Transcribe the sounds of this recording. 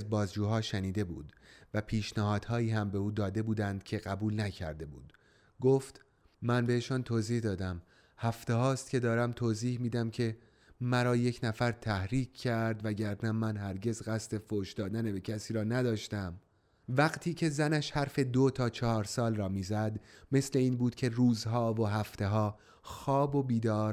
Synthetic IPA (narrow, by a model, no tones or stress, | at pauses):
zbɒːzd͡ʒuːɦɒːʃæniːd̪e̞bṵːd̪væpʰiːʃnæhɒːd̪̥hɒːjiːhæmbe̞uːd̪ɒːd̪e̞buːd̪ænd̪̥cʰe̞ɣæbuːlnæcʰæ̰ɾd̪e̞bṵːd̪̥ | ɡoːft̪ | mænbe̞eʃɒːnt̪ʰoːziːhd̪ɒːd̪æm | hæft̪ehɒːst̪̚cʰe̞d̪ɒːɾæmt̪ʰoːziːhmiːd̪æmcʰe̞ | mæɾɒːje̞cʰnæfæɾt̪ʰæhɾiːkʰcːæɾd̪væɟæɾnæmænhæɾɟe̞zɣæst̪e̞foʃd̪ɒːd̪ænebe̞cʰæsiːɾɒːnæd̪ɒːʃt̪æm | væɡt̪ʰiːcʰe̞zænæʃhæɾfe̞d̪ot̪ʰɒːt͡ʃʰɒhɒːɾsɒːlrɒːmiːzæd̪me̞sle̞iːnbuːd̪̥cʲʰe̞ruːzɦɒːvoɦæft̪e̞ɦɒː | xɒːbo̞biːd̪ɒːɾ